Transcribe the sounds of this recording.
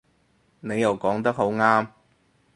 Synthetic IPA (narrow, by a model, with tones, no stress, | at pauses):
ne˨˧jɐ˨˩wkɔː˨˥ŋt̪ɐ˥k̚ho˨˥wŋaː˥m